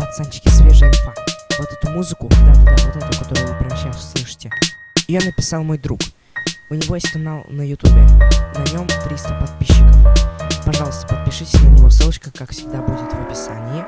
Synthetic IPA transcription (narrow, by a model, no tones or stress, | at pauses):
ɐt̪sɛnt͡ɕːɪ̥kʲɪsvʲeʐɨvavot̪ɛt̪ʊmuzɨkʊd̪at̪ʲvot̪ɛt̪əvʊkɐt̪o̞ɾʊjʊvɨpɾʲɪnʲɪɕːajɪsʲslˠɨʂɨ̥tʲɪ | ionəpʲɪsalˠmo̞jd̪ɾuk | ʊnʲɪvo̞jesʲtʲkɐnalˠnəjʊt̪ubʲɪ̰nɐnʲo̞mt̪ɾʲist̪əpɐt̪̚pʲiɕːɪkəfpɐʐɑlˠəst̪ə̥pət̪̚pʲɪʂɨtʲɪnənʲɪvosɨlˠət͡ɕkəkakfsʲɪɡ̚d̪abudʲɪt̪vəpʲɪsanʲɪɪ